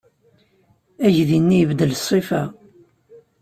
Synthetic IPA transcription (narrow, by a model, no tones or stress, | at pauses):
æʝðinːijəvd̪əlsˤːifæ